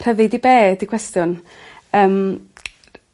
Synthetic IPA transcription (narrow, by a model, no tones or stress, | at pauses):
r̥əvɪdibeːdikʰw̥ɛstjʊn | əːm